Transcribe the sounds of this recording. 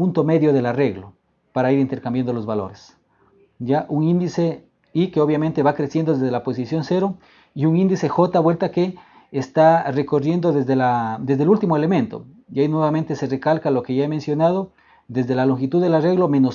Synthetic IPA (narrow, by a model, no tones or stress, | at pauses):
unt̪o̞me̞ðjo̞ðe̞lare̞ɣlo | paɾaiɾint̪e̞ɾkambjand̪olo̞zβalo̞̰ɾes | jaʔuŋind̪ise̞ | ikeo̞βjament̪e̞βakɾesje̞nd̪o̞ðezðelapo̞sisjo̞nse̞ɾo̞ | iuŋĩnd̪ise̞xo̞t̪aβwe̞lt̪akeː | st̪are̞ko̞rje̞nd̪o̞ðezðelad̪e̞zðelult̪imoele̞mẽ̞nt̪o̞̰ | ʝainwe̞βament̪e̞sere̞kalkalo̞ke̞ʝaeme̞nsjo̞nað̞o̞ | d̪e̞zðe̞laloŋxit̪uððelare̞ɣlo̞me̞nos